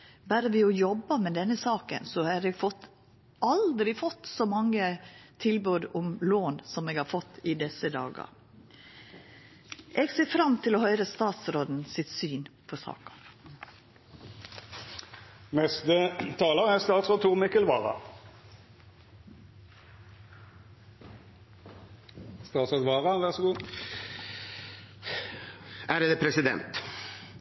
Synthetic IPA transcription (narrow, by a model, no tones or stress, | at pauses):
bæːɾəʋɪɔjɔbːəmɛd̪ɛnːəsɑːkə̰nsɔhɑɾɛɡfɔt̪ | ʔɑld̪ɾɪfɔt̪ːsɔmɑŋːət̪ʰɪlbøːd̪ʊmloːnsɔmeːɡhɑːɾfɔt̪ːɪd̪ɛsəd̪ɑ̰ːɡɑ̰ | ʔɛɡseːfɾɑmt̪ʰɪlɔhœʏɾəst̪ɑːt̪sɾoːd̪n̩sɪt̪syːnpʰɔsɑ̰ːkɑ̥ | nɛst̪ət̪ʰɑːləʁæst̪ɑːt̪sʁoːt̪ʰuːʁmɪkəlʋɑːʁɑ̰ | st̪ɑːt̪sʁoːd̪ʋɑːʁɑʋæʁsɡuː | æɖd̪ɛːpʰɾɛsɪd̪ɛ̰nt̪